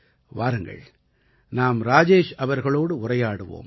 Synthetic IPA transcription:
ʋaːɾɯŋɡɐ̰ɭ | naːmɾaːd͡ʒeːʂɐʋɐɾɣɐɭoːɽɯʊrɐjaːɽɯʋo̰ːm

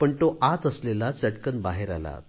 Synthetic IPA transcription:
pəɳt̪oʔat̪əslelat͡səʈkənbaɦeɾa̰la̰

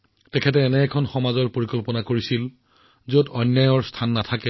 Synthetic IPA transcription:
tɛkʰɛt̬ɛːnɛːkʰɔnxɔmazɔɹpoɹikɔlpɔnakoɹisil | zodɔnjajɔɹstʰanːatʰakɛ

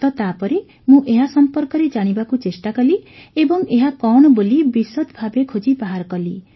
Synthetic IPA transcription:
t̪ɔt̪apɔɾe | mũʔeɦasɔmpɔɾkɔɾed͡ʒaɽ̃ibakut͡ʃesʈakɔliebɔŋeɦakɔɽ̃ɔbolibisɔt̪bʱabekʰod͡ʒibaɦaɾkɔli

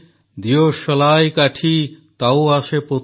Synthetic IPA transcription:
d̪ijoʃɔlajkaʈʰit̪awaʃepo

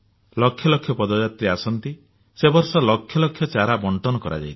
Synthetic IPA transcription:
lɔkʰjɔlɔkʰːjɔpɔd̪ɔd͡ʒat̪ɾiasɔnt̪i | sebɔɾsɔlɔkʰjɔlɔkʰːjɔt͡ʃaɾabɔɳʈɔnɔkɔɾa̰d͡ʒa̰jt̪ʰi̥

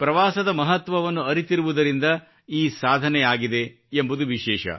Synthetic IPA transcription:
pɾɐʋaːsɐd̪ɐmɐɦɐt̪ʋɐʋɐnːuɐɾit̪iɾuʋud̪ɐɾind̪ɐ | iːsaːd̪ʱɐnɛjaːɡid̪e̞ | embud̪uʋiʃɛːʃɐ̰

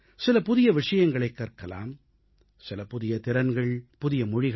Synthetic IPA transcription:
sɪlɐpʊðɪjɐʋɪʂɐjɐŋɡɐɭɐɪkːɐːrkɐla̰ːm | sɪlɐpʊðɪjɐt̪ɪɾɐnɡɐɭpʊðɪjɐmʊɻɪɣɐ

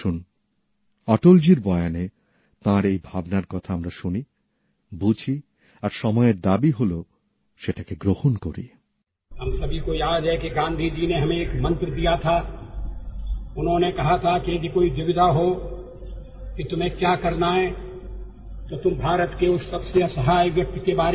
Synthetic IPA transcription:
ʃun | ɔʈold͡ʑiɾbɔeane | t̪ãɾejbʱabnaɾkɔt̪ʰaamɾaʃuni | bud͡ʑʰʱi | aɾʃɔmɔeɾd̪abiɦolo | ʃeʈakeɡɾohonkoɾḭ | ɦɐmsɐbʱikojaːd̪ɦɛkiɡãːnd̪ʱid͡ʒineɦɐmẽeːkmɐ̃nt̪ɾd̪ijat̪ʰa | ʊnɦõnekɐɦat̪ʰakijed̪ikoːiʋɪʋɪd̪aɦo | kit̪ʊm̤ẽkjaːkɐɾnaɦɛ | t̪ot̪ʊmbʱaːɾət̪keʊsːɐbseɐsəɦaːjʋjɐk̚t̪ikebaːɾ

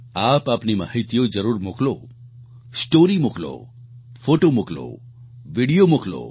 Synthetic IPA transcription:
apaːpnima̰ɦit̪ijod͡ʒəɾuːɾmuklo | sʈoɾimuklo̰ | fʰoʈomuklo̰ | ʋiɽijomuklo̰

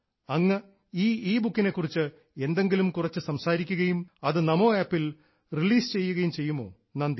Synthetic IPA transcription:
ɐŋːɐ | iːiːbukːine̞kːurit͡ɕːɨ | e̞nd̪e̞ŋɡilumkurɐt͡ɕːɨsɐmsaːɾikʲːuɣɐjumɐðɨnɐmo̞ːaːpːil | riliːst͡ɕe̞jːuɣɐjumt͡ɕe̞jːumo̞̰ː | nɐːnd̪

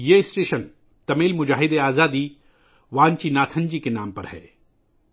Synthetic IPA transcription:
jeɪsʈeːʃən | t̪ɐmeːlmʊd͡ʒaːɦɪd̪eaːzaːd̪i | ʋãːnt͡ʃinaːt̪ʰə̃nd͡ʒikenaːmpɐɾhɛ̰ː

